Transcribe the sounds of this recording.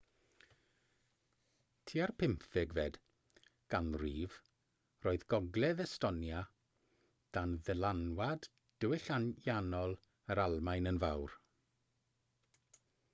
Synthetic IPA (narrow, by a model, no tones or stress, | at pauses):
tʰiːarpʰɪmθɪɡvɛd̥ | ɡ̥anriːv | roːɨðɡɔɡlɛðɛstɔnja | d̥anðɛlanwad | d̥əwɪɬanjanɔlˠ | əɾalˠmajnənvawr